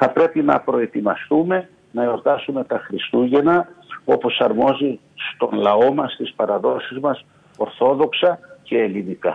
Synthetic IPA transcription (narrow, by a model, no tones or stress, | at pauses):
θɐpɾe̞pinɐ̰pɾo̞e̞t̪imɐst̪ume̞ | nɐoɾt̪ɐsume̞t̪ɐxɾist̪uʝe̞nɐo̞po̞sɐɾmo̞zi | st̪o̞nlɐo̞mɐst̪ispɐɾɐðo̞sizmɐs | o̞ɾθo̞ðo̞ksɐce̞ːlinikɐ